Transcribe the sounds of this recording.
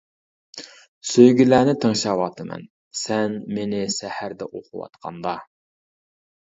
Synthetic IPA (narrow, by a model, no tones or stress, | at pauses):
søjɡʲilæːnɪt̪ʰɨŋʃɑːwɑt̪ʰɨmɛ̰n | sɛnmenɪsæhæɾd̪ɛʔoqʰʊwɑ̰t̪qʰɑ̰nd̪ɑ